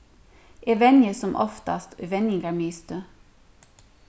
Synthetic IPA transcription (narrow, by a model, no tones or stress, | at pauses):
ʔeːʋɛnjəsɔmʔɔ̰ft̪ɑ̰st̪ʰʉʋɛnɪŋɡɑmiːst̪ə